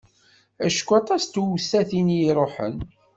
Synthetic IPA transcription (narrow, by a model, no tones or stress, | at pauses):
æʃkʷːɑt̪ˤɑst̪wsːæθinjiɾˤoħə̰n